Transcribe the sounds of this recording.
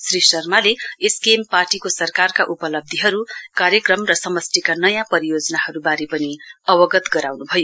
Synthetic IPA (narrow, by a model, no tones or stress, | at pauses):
srisʌrmaleeskemparʈikosʌrkarkaʔupʌlʌb̚d̪ʱiɦʌɾukaɾjʌkrʌmrʌsʌmʌsʈ̪ʰikanʌjãpʌɾijod͡zʌnahʌɾubaɾepʌniʌwʌɡʌt̪ɡʌɾawnubʱʌjo